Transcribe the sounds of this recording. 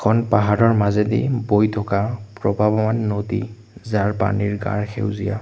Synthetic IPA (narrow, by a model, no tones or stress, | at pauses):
ɛkʰɔnpaɦaɹɔɹmazedḭbojtʰɔkapɹɔbabamanːodḭ | zaɹpa̰niɹɡa̰ɹxʰḛwzija̰